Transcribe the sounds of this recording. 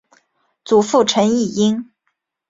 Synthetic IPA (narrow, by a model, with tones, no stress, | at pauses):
t͡su˨˩fu˥˩ʈ͡ʂʰə˧˥ni˥˩i˥ŋ